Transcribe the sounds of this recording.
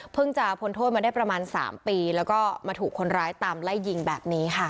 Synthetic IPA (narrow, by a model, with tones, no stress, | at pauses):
pʰɯ˥˩ŋt͡ɕa˨˩pʰo˧nt̪ʰoː˥˩t̪̚ma˧daː˥˩jpɾa˧maː˧nsa̰ː˩˦mpiː˧lɛː˦˥wkɔː˥˩maː˧t̪ʰuː˨˩kʰːo˧nɾaː˦˥jt̪aː˧mla˥˩jːi˧ŋbɛː˨˩p̚niː˦˥kʰa˥˩